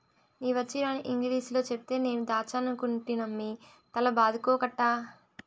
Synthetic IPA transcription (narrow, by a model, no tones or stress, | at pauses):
niːʋɐt͡ʃːiɾaːniʔiŋɡliːslo̞ːt͡ʃepit̪e̞ːne̞ːnud̪aːt͡ʃaːnɐkuɳʈinɐmːi | t̪ɐlɐbaːd̪ʱukoːkɐʈːaː